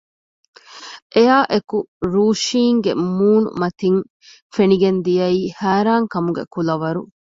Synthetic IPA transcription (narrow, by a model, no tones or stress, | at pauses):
ʔejaːʔekuɾuːʃiːŋɡḛmuːnṵmɐt̪iŋ | feniɡend̪ijɐiːhæːɾaːŋkɐmuɡḛkulɐʋɐɾu